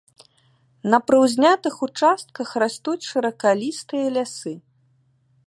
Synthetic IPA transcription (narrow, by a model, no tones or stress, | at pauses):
nɐpɾɐwzʲnʲat̪ɨxut͡ʂast̪̚kɐxrast̪ut͡sʲʂɐɾɐkalʲist̪ɨjɐlʲasɨ